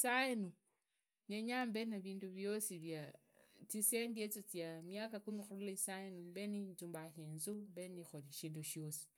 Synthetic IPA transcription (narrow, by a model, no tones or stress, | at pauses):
saenu | ɲeɲambenaβiːnduβjosiβja | t͡sisendiet͡sot͡sjamjakakumixululaisaenumbeninzuːmbaxenzumbenixoliʃiːnduʃjo̞si̥